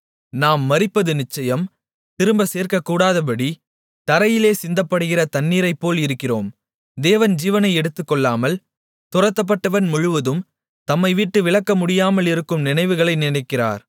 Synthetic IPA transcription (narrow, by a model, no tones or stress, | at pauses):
naːmːɐɾɪpːɐðɯnɪt͡ʃːɐjɐm | t̪ɪɾɯmbɐseːɾkɐkːuːɽaːðɐp̬ɐɽi | t̪ɐɾɐjɪleːsɪnd̪ɐpːɐɽɯɣɪrɐt̪ɐnːiːɾɐɪpːoːlɪɾɯkːɪroːm | d̪eːʋɐnd͡ʒiːʋɐnɐɪɛɽɯt̪ːɯkːɔɭːaːmɐl | t̪ʊrɐt̪ːɐp̬ːɐʈːɐʋɐnmʊɻɯʋɐðɯm | t̪ɐmːɐɪʋiːʈːɯʋɪɭɐkːɐmʊɽɪjaːmɐlɪɾɯkːɯmnɪnɐɪʋɯɣɐɭɐɪnɪnɐɪkːɪra̰ːɾ